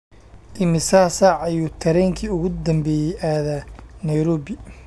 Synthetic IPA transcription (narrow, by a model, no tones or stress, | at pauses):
d̪ɪmɪsaːsaːʕɐjuːt̪ʰɐɾɛːŋkʰiːʊɣʊd̪ɐmbɛːjɛjʔaːðaːnɐjɾɔːβɪ